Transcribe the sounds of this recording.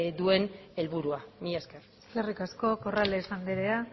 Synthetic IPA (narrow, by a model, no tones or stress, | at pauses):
d̪ue̞ne̞lβuɾuamieskersklerikasko̞ko̞raleːsand̪eɾea